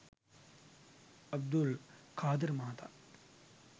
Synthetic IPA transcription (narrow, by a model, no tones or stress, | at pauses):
ɐb̚d̪ulkaːd̪ɪɾmaːt̪ʰa